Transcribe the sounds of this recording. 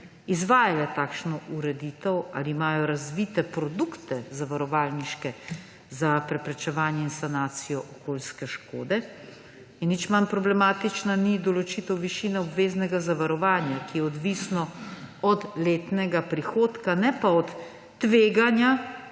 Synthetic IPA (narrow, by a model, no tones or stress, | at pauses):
izʋaːjalɛt̪aːkʃnɔʔuɾɛd̪iːt̪ɛwa̰liːmaːjɔɾazʋiːt̪ɛpɾɔd̪ukt̪ɛzaʋaɾɔʋaːlniʃkɛ | zapɾɛpɾɛt͡ʃɛʋaːnjɛinsanaːt̪sijɔʔɔkoːlskɛʃkoːd̪ɛ | inːit͡ʃmanpɾɔblɛmaːt̪it͡ʃnanid̪ɔlɔt͡ʃit̪ɛwʋiʃiːnɛɔbʋeːznɛɡazaʋaɾɔʋaːnjakijɛɔd̪ʋisnɔɔd̪leːt̪nɛɡapɾixoːt̪kanɛpaɔt̪ː | ʋeːɡanja